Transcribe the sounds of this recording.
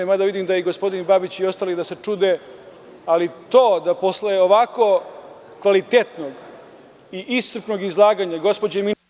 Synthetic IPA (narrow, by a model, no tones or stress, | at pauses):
emad̪aʋid̪imd̪ajeɡospo̞d̪inbabit͡ɕio̞st̪aːliɣd̪ase̞t͡ʂud̪e | alit̪o̞ːd̪apo̞sleeoʋako | kʋalit̪et̪noɡ | iʔissr̩pno̞ɡizlˠaːɡaɲaɡospo̞d͡ʑemi